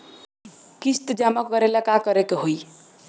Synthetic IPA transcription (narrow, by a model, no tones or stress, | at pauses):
kist̪d͡ʒamakɡʌɾelakakʌɾekeɦoj